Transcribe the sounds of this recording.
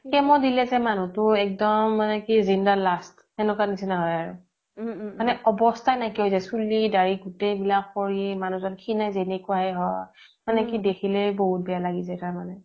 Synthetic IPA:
kɛmɔdilɛzɛmanutʊɛk̚dɔmːanɛkizindalastː | ɛnukanisinaɦɔjaɹṵ | manɛɔbɔstʰajnajkiɦojzajsulidaɹiɡutejbilakːoɹimanũzɔnkʰinajzenɛkuaɦɛɦɔj | manɛkidekʰilɛboɦut̚bɛjalaɡizajtaɹmanɛ

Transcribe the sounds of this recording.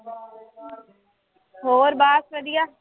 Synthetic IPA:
ɦoːɾbaːsɾəd̪ɪjaː

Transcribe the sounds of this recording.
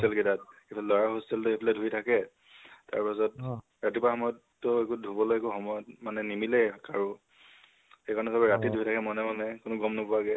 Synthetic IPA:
ɛlkidat̚kipʰalɛlɔɹaxosɛltʊepʰalɛdʱuitʰakɛ | ta̰ɹpasɔt̚ | ɹatipaxɔmɔjɔtːɔekudʱubɔlojɛkuxɔmɔjɔt̚manɛnimilɛkaɹʊ̃ | xekaɹɔnɛsabɛɹatidʱuitʰakɛmɔnɛmɔnɛkʊnʊɡɔmnɔpʊaɡɛ

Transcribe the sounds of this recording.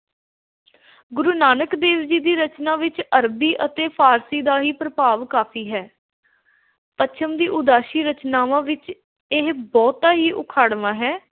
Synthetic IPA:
ɡʊɾuːnaːnəkd̪eːʋd͡ʒiːd̪iːɾət͡ʃnãːʋɪt͡ʃəɾbiːʔət̪eːpʰaːɾsiːd̪aːɦiːpɾəpaːʋkaːpʰiːɦɛː | pət͡ʃʰəmd̪iːʔʊd̪aːʃiːɾət͡ʃnaːʋãːʋɪt͡ʃ | ɪɦbɔːt̪aːɦiːʔʊ̰kʰaːɽʋãːɦɛː

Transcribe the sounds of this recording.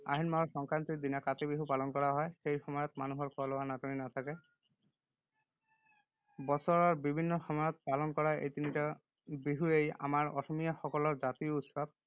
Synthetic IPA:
a̰ɦinmaɦɔsɔŋkant̪ik̚d̪inakat̪ebiɦupalɔnkɔɹaɦɔjxejxɔmɔjɔt̪manuɦɔɹkɔlɔwanatɔninat̪ʰake | bɔsɔɹɔɹbibʱinːɔxɔmɔjɔt̪̚palɔnkɔɹaʔḛjt̪inita | biɦueja̰maɹɔsɔmijaxɔkɔlɔɹzat̪iout̪sab̚

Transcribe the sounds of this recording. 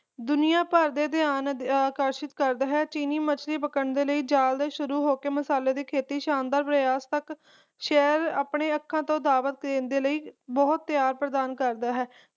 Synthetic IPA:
d̪ʊnijãːpəɾd̪eːd̪ɪaːnaːkəɾʃət̪kəɾd̪aːɦɛːt͡ʃiːniːmət͡ʃʰɾiːbəkəɳd̪eːləiːd͡ʒaːld̪eːʃʊɾuːɦoːkeːməsaːleːd̪eːkʰeːt̪iːʃaːnd̪aːɾpɾəjaːst̪ək | ʃɛːɾaːpɳeːəkʰːãːt̪õːd̪aːʋət̪̚keːnd̪eːləiːbɔːt̪ːjaːɾpɾəd̪aːnkəɾd̪aːɦɛː

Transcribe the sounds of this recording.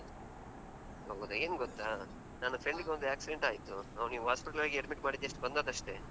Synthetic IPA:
oːɡud̪eeːnuɡɔt̪ːaː | naːnupʰɾeɳɖiɡeond̪uaːksiɖeɳʈaːjit̪uɐʋniːʋɦaːspiʈɐlʋaːɡieɖmiʈmaːɽit̪ːeʂʈbɐnd̪aːd̪ɐʂʈe̞

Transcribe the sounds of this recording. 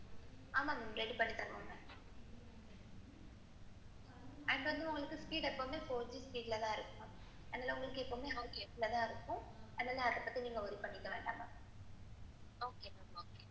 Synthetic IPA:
aːmaːnɪŋɾɛɽipɐɳːit̪ːɐnːɐŋɐ | ɐɳɖʋɐnd̪ɯʊŋɡɐɭɯkːɯspiːɽɛpːoːmeːpoːd͡ʒispiːɽɪlɐt̪ãːɪɾɯkːɐɳʊ̃ | ɛnːaːlɐʊŋɡɐɭɯkːɯɛpːoːmeːɦɐːʊkeːpːɪlɐt̪ãːɪɾɯkːʊ̃ɛnːaːlɐɐɐkːɐpːɐt̪ːiniːŋɡɐɔɾipɐɳːɪkːɐʋeːɳɖaːmaː | oːkeːoːke

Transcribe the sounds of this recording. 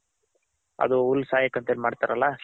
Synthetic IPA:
ɐ̰d̪uulːsaːjɐkːɐnt̪eːlimaːɽt̪aɾɐlːa

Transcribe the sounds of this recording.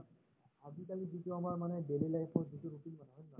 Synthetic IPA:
ad͡ʒikalizituamaɹmanɛbelilajpʰɔzituɾupilmanɛɦɔjːa

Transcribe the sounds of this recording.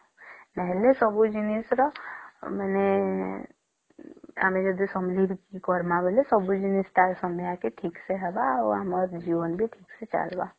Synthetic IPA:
nɛɦlesɔbud͡ʒinisɾɔməne | a̰mẽd͡ʒəd̪isəmlibʱikikɔɾmabʱelesəbud͡ʒinist̪aɾsəməjakeʈʰiːkseɦɛbaoaməɾd͡ʒiʋənbʱiʈʰiːkset͡ʃa̰lba

